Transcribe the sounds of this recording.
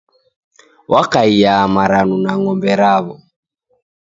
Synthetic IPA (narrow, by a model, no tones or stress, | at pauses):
wʔakaijaːmaɾanunaŋɔmbɛɾaβɔ